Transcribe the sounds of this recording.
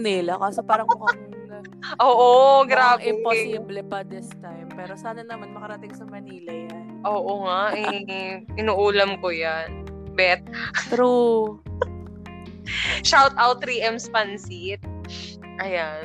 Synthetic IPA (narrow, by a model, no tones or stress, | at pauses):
nilɐkaːsopaːɾɐŋpʊkɐ | nɐ | ʔoːʔoɡɾaːbɛɛimblɛpɐd̪ɪst̪ajmpɛːɾo̞saːnɐnamɐnmɐkɐɾɐt̪ɪŋsɐmɐniːlɐjanʔoːʔoŋaʔɛ | ɪnuːʔuːlɐmkojanbɛt̪̚t̪ɾu | ʃawt̪ʔawt̪ːɾiːʔɛmspɐnsit̪̚ | ʔɐjan